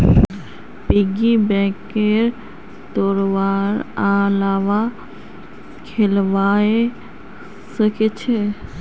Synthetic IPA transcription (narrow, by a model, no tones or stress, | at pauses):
piɡibɛ̃keɾ | t̪oɾʋaɾalaʋa | kʰelʋae | səket͡ʃʰe